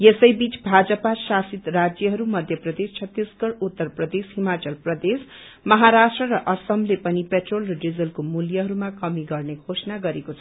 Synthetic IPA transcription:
jesʌjbit͡sbʱad͡zʌpasasit̪rad͡zjʌɦʌɾumʌd̪ʱjʌprʌd̪est͡ʃʰʌt̪ːisɡʌɽut̪ːʌrprʌd̪esɦimat͡sʌlprʌd̪es | mʌɦaɾasʈrʌɾʌʔʌsʌmlepʌnipeʈrolrʌɖid͡zʌlkomuljʌɦʌɾumakʌmiɡʌrneɡʱosnaɡʌɾekot͡sʰʌ

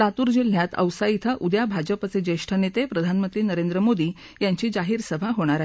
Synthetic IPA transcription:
t̪at̪uːɾd͡ʑil̤ːjat̪ə̰wsajit̪ʰəʔud̪jabʱad͡ʑəpat͡sed͡ʑeʂʈʰənet̪epɾəd̪ʱanmənt̪ɾiːnəɾend̪ɾəmod̪iː | jaɲt͡ɕiːd͡zaɦiːɾsəbʱaɦoɽ̃aɾaɦi

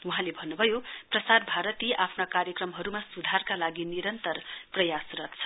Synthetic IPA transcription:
wuɦãlebʱʌnːubʱʌjoprʌsarbʱaɾʌt̪iʔapʰnakaɾjʌkrʌmɦʌɾumasud̪ʱarkalaɡiniɾʌnt̪ʌrprʌjasrʌt̪t͡sʰʌ̥

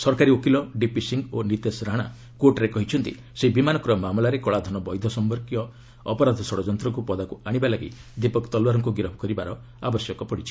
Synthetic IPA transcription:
sɔɾkaɾiokilɔɖipisiŋɡonit̪esɾaɽ̃a̰ | koʈɾekɔɦit͡ʃʰɔnt̪ḭ | sebimanɔkɔɾɔmamlaɾekɔɭad̪ʱɔnɔbɔjd̪ʱɔsɔmbɔɾkijɔ | ɔpɔɾad̪ʱɔsɔɽɔd͡ʒɔnt̪ɾɔŋkupɔd̪akuaɽ̃ibalaɡḭd̪ipɔkt̪ɔlwaɾɔŋkuɡiɾɔbʱɔkɔɾibaɾɔ | abɔsjɔkɔpɔɽit͡ʃʰi̥

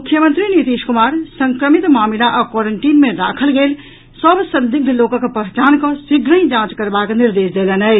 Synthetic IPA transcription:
mukʰjəmənt̪ɾinit̪iʃkumaɾsəŋkɾəmit̪mamilaʔakwɔɾəɳʈiːnmeɾakʰəlɡel | səbsənd̪iɡ̚bʱilokəkpəɦt͡ʃankɔ̃siɡɾə̃ĩd͡ʒãt͡ʃkəɾbakniɾd̪esd̪elənə

